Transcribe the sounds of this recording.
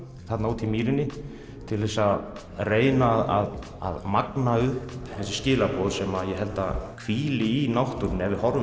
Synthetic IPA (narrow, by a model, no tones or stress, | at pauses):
θat̪nawt̪ʰimiːɾɪnːɪ | t̪ʰɪlɛsa | reːjnaða̰ð | a̰ðmaknaʏhppθɛsːɪscɪːlapɔðsɛmaðjɛɦɛlt̪a̰kʰviːlɪinawht̪ʏɾnɛðɪhɔɾ